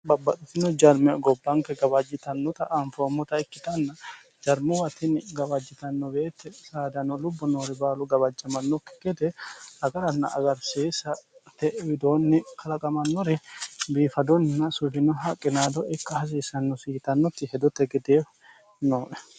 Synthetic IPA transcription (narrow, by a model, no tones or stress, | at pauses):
bɐbːɐt̪ʼɪt̪ːɪnɔd͡ʒɐɾmɛɡɔbːɐŋkɛɡɐbɐd͡ʒːɪt̪ɐnːɔt̪ɐʔɐɱfɔmːɔt̪ɐɛkːɪt̪ɐnːɐ | d͡ʒɐɾmɛwɐt̪ɪnɪɡɐbɐd͡ʒːɪt̪ɐnːɔbeːt̪ːɛsaːd̪ɐnːɔlʊbːɔnoːɾɛbaːlʊɡɐbɐd͡ʒːɐmɐnːɔkːɛ̥ɡɛd̪ɛɐɡɐɾɐnːɐ̰ʔɐɡɐɾseːsɐt̪ːɛwɪd̪oːnːɪkʰɐlɐkʼɐmɐnːɔɾɛbiːfɐd̪ɔnːɐsʊhɪnɔɦɐkʼːɪnaːd̪ɔʔɪkːɐhɐs̬iːsɐnːɔsiːt̪ɐnːɔt̪ːɪhɛd̪ɔt̪ːɛɡɛd̪eː | noːʔɛ̥